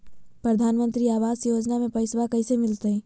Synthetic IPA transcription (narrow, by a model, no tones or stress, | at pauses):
pɾəd̪ʱaːnmə̃nt̪ɾiaːʋaːzjoːd͡ʒnamẽpɐɪsʋakɐisemɪlt̪eɛ̃